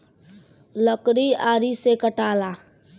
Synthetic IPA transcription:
ləkɽiaːɾisekəʈaːla

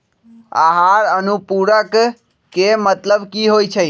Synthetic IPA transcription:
a̰ɦaɾənupuɾək | kemət̪ləbkiɦojt͡ʃʰe

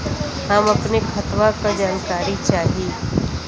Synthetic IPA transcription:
amɐpnekʰɐt̪ʋakad͡ʒaːnkaːɾit͡ʃaːɦieː

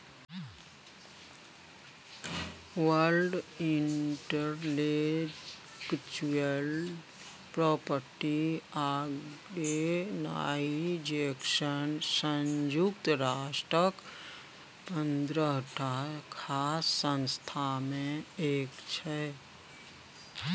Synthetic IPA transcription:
ʋəlɖiɳʈəɾle | kt͡ʃuəl | pɾɔːpəɾʈiaɡena̰id͡ʒekʃənsənd͡ʒukt̪ɾasʈɾək | pənd̪ɾəɦəʈʰakʰasːənst̪ʰamẽeːkt͡ʃʰɛ

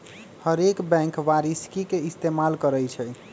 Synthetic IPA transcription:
həɾekbɛ̃ŋkʋaɾiskikeist̪emalkəɾəjt͡ʃʰɛ

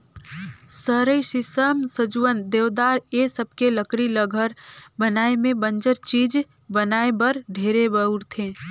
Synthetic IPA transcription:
səɾəisɪsəmsəd͡ʒuwənd̪eːʋd̪aːɾesəb̚keləkɾiləɡʱəɾbənaːemẽbə̃nd͡ʒəɾt͡ʃiːd͡ʒ | bənaːebəɾɖʱeːɾebəuɾt̪ʰẽː

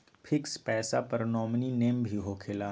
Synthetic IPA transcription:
pʰɪkspɛːsapɐɾnɔːmnineːmbʱiɦokʰelaː

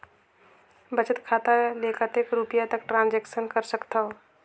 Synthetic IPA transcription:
bɐt͡ʃət̪kʰaːt̪aleːkʰət̪ekɾupijat̪əkʈɾãːnd͡ʒeːkʃənkəɾsəkt̪aɦo

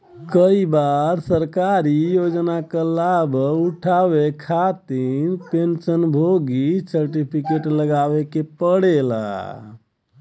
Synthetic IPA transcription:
kəibaɾsəɾkaɾijod͡ʒnakəlabuʈʰaʋekʰat̪iɾpensənbʱoɡisəɾʈipʰikeʈləɡaʋekepəɽela̰

